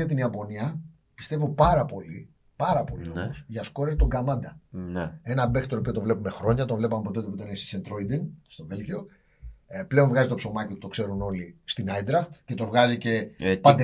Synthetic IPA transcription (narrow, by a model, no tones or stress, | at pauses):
ɐt̪iniɐpo̞niɐ | pi̥st̪e̞vopɐɾɐpo̞li | pɐɾɐpo̞̰lḭomosʝɐsko̞ɾeɾt̪oŋɡɐmɐnd̪ɐ | e̞nɐbext̪oɾopio̞t̪ovle̞pume̞xɾo̞ɲɐt̪ovle̞pɐmepoeot̪epit̪ɐnesi̥sent̪ɾo̞jd̪inst̪o̞ve̞lʝio̞ | ple̞onvɣɐzit̪o̞pso̞mɐciout̪okse̞ɾuno̞list̪inajd̪ɾɐxt̪ce̞t̪o̞vɣɐzice̞pɐnd̪e